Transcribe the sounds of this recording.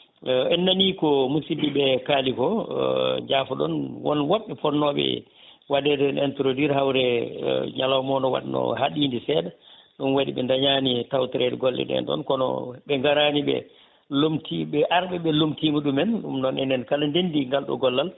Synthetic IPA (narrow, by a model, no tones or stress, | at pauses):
ɛnːanikɔmusimbiɓɛkaːlikɔ | ɲd͡ʒaːfɔɗɔ̰nwɔ̰nwaɓːɛfɔnːɔɓɛ̰ | wadɛdɛnɛntɾodiɾhawɾɛɲalawmɔnɔwa̰ɗnɔ̰ɦaɗindisɛdaɗunwadiɓɛndaɲaːnitawtɛɾɛdɛɡɔlːɛ̰dɛ̰ndɔ̰nkɔnɔ̰ɓɛŋɡaɾaːniɓɛ̰ | lomtʰiɓɛʔaɾɓɛɓɛlomtimuɗumɛnɗṵmnɔnɛ̰nɛnkalandendiŋɡalɗɔ̰ɡɔlːal